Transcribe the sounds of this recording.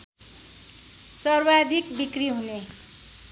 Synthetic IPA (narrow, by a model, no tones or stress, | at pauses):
sʌrwad̪ʱik̚bikriɦune